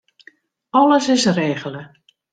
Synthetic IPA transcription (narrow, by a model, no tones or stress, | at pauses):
ɔləsɪsreːɣələ